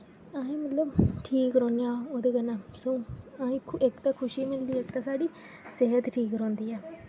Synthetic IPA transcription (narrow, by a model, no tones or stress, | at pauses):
aːẽːmət̪ləbʈʰiːkɾɔ̃ːnjãːoːd̪eːɡənaːsoːaːĩːɪkt̪aːkʰʊʃiːmɪld̪iːɪkt̪aːsaːɖiː | seɦət̪ʈʰiːkɾɔ̃ːnd̪iːɛː